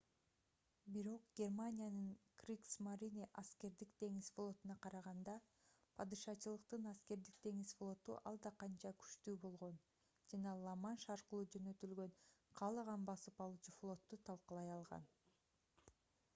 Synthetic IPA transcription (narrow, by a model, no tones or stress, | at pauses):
biɾo̞q̚ɡ̥ʲe̞rmanʲijanɯŋkrʲiksmaɾʲiniʔaske̞ɾd̪ikd̪e̞ŋisflˠo̞t̪unɑqɑɾɑʁɑnd̪ɑ | pʰɑd̪ɯʃɑt͡ʃɯlˠɯqt̪ɯnɑske̞ɾd̪ik̚d̪e̞ŋisflˠo̞t̪uʔɑlˠd̪ɑqɑnt͡ʃɑkʰy̥ʃt̪yːbo̞lˠʁo̞n | d͡ʒɑnɑlˠɑmɑnʃɑɾqɯlˠuːd͡ʒø̞nø̞t̪ylɡø̞ɴqʰɑːlˠɑʁɑnbɑsɯpɑlˠuːt͡ʃuflˠo̞t̪ːut̪ʰɑlˠqɯlˠɑjɑlˠʁɑ̰n